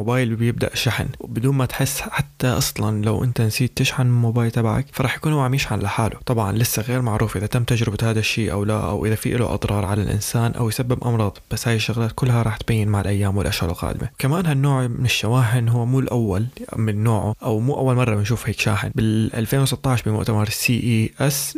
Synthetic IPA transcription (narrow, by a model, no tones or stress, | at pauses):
mʊbaːjlbɪjɪb̚d̪a̰ʔʃaħnwbɪd̪uːnmat̪ħɪsːħat̪ːaʔɑsˤlɑnlawʔɪ̰nt̪ansiːd̪̚t̪ːɪʃħanmʊbaːjlt̪ˤabʕa̰kfɑɾˤɑːħjakuːnhuːʕamiːʃʕanlaħaːlʊt̪ˤɑbʕɑ̰nlɪsːaɣeːɾmaʕɾuːfʔɪðat̪amːt̪ad͡ʒɾɪbat̪haːðaʃːiːʔa̰wla̰ʔa̰wʔɪðafḭʔɪlṵʔɑ̰d̪ˤɾˤɑːɾˤʕala̰lʔɪ̰nsaːnʔa̰wjsabːɪbʔɑ̰mɾˤɑːðˤb̥asːhaːjɪʃːʊɣlaːt̪̚kʊlːɦaɾˤɑːħt̪bajːɪnmaʕalʔajːaːmwɪlʔaʃhʊɾɪ̰lqa̰ːd̪ɪma̰wkamaːnhanːoːʕmɪnɪʃːawaːɦɪnɦuwːmuːlʔawːalmɪnːoːʕʊʔawmuːʔawːalmɑrˤːɑbɪnʃuːfheːkʃa̰ːħɪ̰nbɪlʔa̰lfeːnwsɪt̪ˤːɑːʕɪʃbɪmʊ̰ʔt̪amɑɾˤsiːʔiʔas